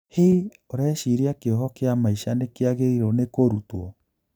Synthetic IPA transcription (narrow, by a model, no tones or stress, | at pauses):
hi | oɾaʃiɾiakeɔɦɔkeamaiʃanekeaɣeiɾɔnekoɾutwɔ